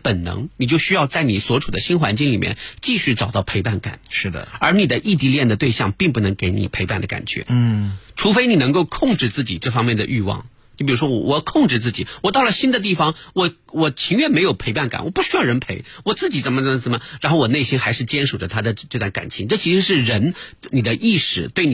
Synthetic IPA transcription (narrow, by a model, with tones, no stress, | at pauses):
pə˨˩nnɤ̰˧˥ŋni˨˩t͡ɕjo˥˩ʊɕy˥jɑ˥˧ʊt͡sa˥˩ɪni˨˩swɔ˧˥ʈ͡ʂʰu˨˩d̪ə˦ɕi˥nxwa˧˥nt͡ɕi˥˧ŋli˨˩mjɛ̰˥˧nt͡ɕi˥˧ɕy˥˩ʈ͡ʂɑ˨˩ʊt̪ɑ˥˩ʊpʰe˧˥ɪpa˥˩nka̰˨˩˦nʂɻ̩˥˩d̪ə̰˩ə˞˧˥ni˨˩d̪ə˦ʔi˥˩t̪̬i˧˥ljɛ˥˩nd̪ə˩t̪we˥˧ɪɕjɑ˥˧ŋpi˥˧ŋp̬u˥˩nɤ˧˥ŋke˧˥ɪnḭ˨˩pʰe˧˥ɪpa˥˩nd̪ə˩ka̰˨˩nt͡ɕɥɛ̰˧˥ʈ͡ʂʰu˧˥fe˥ɪni˨˩nɤ˧˥ŋko˥˧ʊkʰʊ˥˧ŋʈ͡ʂɻ̩˥˧t͡sɹ̩˥˩t͡ɕi˨˩ʈ͡ʂɤ˥˩fɑ˥ŋmjɛ˥˩nd̪ə̰˩ʔy˥˧wɑ̰˥˩ŋ | o˥˩pi˨˩ɻu˧˥ʂwɔ˥wɔ̰˨˩wɔ˨˧kʰʊ˥˧ŋʈ͡ʂɻ̩˥˧t͡sɹ̩˥˩t͡ɕḭ˨˩wɔ˨˩t̪ɑ˥˩ʊlə˩ɕi˥nd̪ə˨˧t̪̬i˥˩fɑ˩ŋwɔ˨˩ | wɔ˨˩t͡ɕʰi˧˥ŋɥɛ˥˩nme˧˥ɪjo˨˩ʊpʰe˧˥ɪpa˥˩nka̰˨˩˦nwɔ˨˩pu˥˩ɕy˥jɑ˥˩ʊɻə˧˥npʰe˧˥ɪwɔ˨˩t͡sɹ̩˥˩t͡ɕi˨˩ʈ͡ʂə˧˥nmə˧t̪wa˥˧nt͡sɹ̩˥˩mə˩ɻa˧˥nxo˥˩ʊwɔ˨˩ne˥˩ɪi˥nxa˧˥ɪʂɻ̩˥˩t͡ɕjɛ˥nʂu˨˩də˦t̪ʰa˥d̪ə˨ʈ͡ʂɤ˥˧t̪wa˥˩nka̰˨˩nt͡ɕʰi˧˥ŋʈ͡ʂɤ˥˩t͡ɕʰi˧˥ʂɻ̩˧˥ʂɻ̩˥˩ɻə˧˥nni˨˩d̪ə˦ʔi˥˩ʂɻ̩˨˩t̪we˥˩ɪn